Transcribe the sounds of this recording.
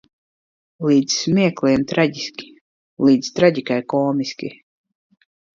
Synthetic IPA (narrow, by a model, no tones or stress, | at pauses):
liːd̪zsmʲiɛkliɛmt̪ɾaɟʲisʲkʲi̥ | liːd̪zt̪ɾaɟʲikajkɔːmisʲkʲḭ